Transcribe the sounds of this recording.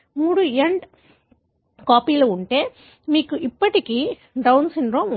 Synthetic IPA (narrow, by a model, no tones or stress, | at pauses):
muːɽueɳɖ | kaːpiːloːuɳʈe̞ː | miːkuʔipːɐʈikiː | ɖɐwnsiɳɖɾoːmu